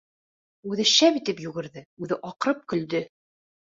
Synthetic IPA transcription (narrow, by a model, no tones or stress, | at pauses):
ʉðɘʃæβit̪ɘpjʉɡɘ̆ɾðɘʉðɘʔɒqɤɾɤp̚kɵ̆ld̪ɘ